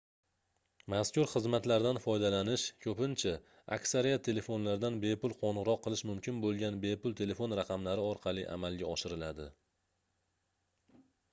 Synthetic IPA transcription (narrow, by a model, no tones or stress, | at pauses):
maskʲʊɾχɨzmat̪laɾd̪anfɒjd̪alanɪʃkʲʰɵpɪnt͡ʃʰa | a̰kʲsaɾijat̪ʰːe̞le̞fo̞nlaɾd̪anbe̞pʊlˠqʰonɨʁɾɒqʰːɨlˠɪʃmʊmkʲʰɪnbolˠɡʲanbe̞pʊlˠt̪ʰe̞le̞fo̞nɾaqʰɑmlaɾɪɒɾqʰɑlˠiʔa̰malˠɡʲaɒʃɪɾɪlad̪ɪ